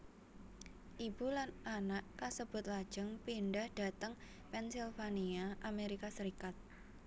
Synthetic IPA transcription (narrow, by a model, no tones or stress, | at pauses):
ʔib̥ulananaʔkasəb̥ʊ̤t̪̚lad̥ʒ̥əŋpiɳɖahɖ̥a̤t̪əŋ | pɛnsilfaniaʔameɾikasəɾikat̪̚